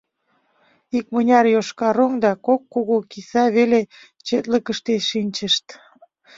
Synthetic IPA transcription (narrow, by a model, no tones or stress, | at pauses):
ik̚mənʲɑrjoʃkɑɾoŋd̪ɑkokːoɣokisɑβele | t͡ɕet̪ləkəʃt̪eʃinʲt͡ɕəʃt̪